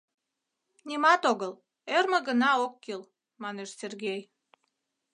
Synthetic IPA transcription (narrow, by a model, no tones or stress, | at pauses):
nʲimɑt̪oɣəl | ermə̆ɣənɑokːil | mɑneʃsʲerɣej